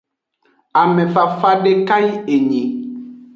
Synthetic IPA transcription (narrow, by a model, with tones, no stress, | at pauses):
a˨mẽ˨fa˨fa˦ɖe˦ka˦ji˦e˨ɲẽ˨